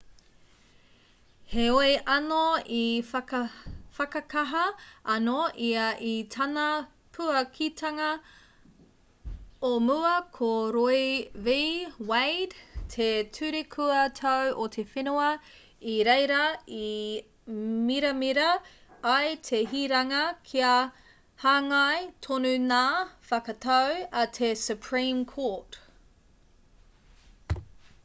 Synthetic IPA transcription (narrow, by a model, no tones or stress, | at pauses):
heoeʔɐnoi | fɐkɐkɐɦɐʔɐnoʔiɐʔitʰɐnɐ | pʰuɐkʰitʰɐŋɐ | omuɐkʰoɾojvejwejdtʰetʰʉɾekʰuɐtʰowʔot̪ʰefinoɐ | iɾejɾɐi | miɾɐmiɾɐː | jt̪ʰeɦiːɾɐŋɐkʰiɐ | haːŋɐjtʰonʉnaːfɐkɐt̪ʰɐwɐt̪ʰesʉpʰɹĩːmkʰoɹt